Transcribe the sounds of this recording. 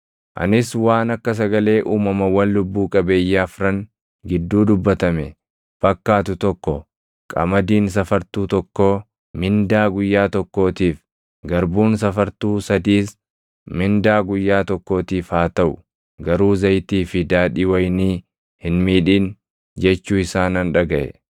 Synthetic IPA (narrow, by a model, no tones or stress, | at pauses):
ʔɐ̰nɪswaːnɐkːɐs̬ɐɡɐle̞ːʔuːmɐmɐwɐnlʊbːuːkʼɐbe̞ːjːaːfɾɐŋ | ɡɪd̪ːuːd̪ʊbːɐt̪ɐmɛ | b̥ɐkːaːt̪ʊt̪ɔkːɔ | kʼɐ̰mɐd̪iːns̬ɐfɐɾt̪uːt̪ɔkːoː | mɪnd̪aːɡʊjːaːt̪ɔkːo̞ːt̪iːf | ɡɐɾbuːns̬ɐfɐɾt̪uːsɐd̪iːs | mɪnd̪aːɡʊjːaːt̪ɔkːo̞ːt̪iːfhaːt̪ɐʔʊ | ɡɐɾuːzɐjt̪iːfɪd̪aːᶑiːwɐjniː | hɪnmiːᶑiːn | d͡ʒɛt͡ʃːuːɪsaːnɐnᶑɐɡɐʔɛ̰